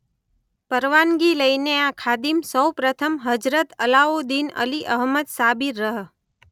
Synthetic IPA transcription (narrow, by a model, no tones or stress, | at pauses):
pəɾʋanɡiləineakʰad̪imsəwpɾət̪ʰəmɦəd͡ʒɾət̪əlaod̪inə̰liʔə̰ɦməd̪sabiɾəɦ